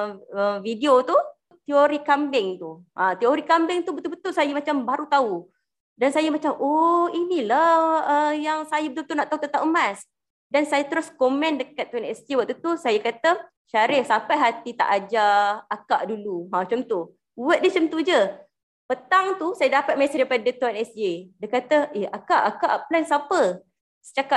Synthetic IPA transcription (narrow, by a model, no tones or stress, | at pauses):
əmvidiot̪u | t̪ioɾikambɪŋt̪uʔãt̪ioɾikambɪŋt̪ubət̪ʊlbət̪ʊlsajamat͡ʃambaɾut̪au | dansajamat͡ʃamʔoinilaəjaŋsajabət̪ulbət̪ulnaʔt̪aɦut̪ət̪aʔəmas | dansajat̪əɾʊskomɛ̃ndəkat̪̚ːuɛnɛst̪iwaʔ̚t̪ut̪usajakat̪ə | ʃaɾɪhsapajɦat̪it̪a̰ʔad͡ʒaːkaʔduluɦãt͡ʃɔnt̪oh | wəʔ̪̚dət͡ʃont̪ud͡ʒə | pət̪aŋt̪usajadapat̪̚masədaipadət̪uanɛsd͡ʒedəkat̪əʔeakaʔakaʔplansapə | sə̥t͡ʃaka